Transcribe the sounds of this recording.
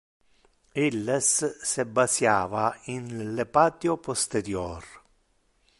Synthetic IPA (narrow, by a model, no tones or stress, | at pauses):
ilːesːɪbːasjaːvainlepaːt̪jopost̪eɾjɔːr